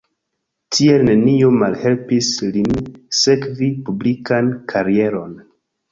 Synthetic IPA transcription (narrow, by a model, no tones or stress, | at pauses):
tʰie̞lne̞nio̞malhe̞lpislinse̞kvipublikankʰaɾie̞ɾo̞n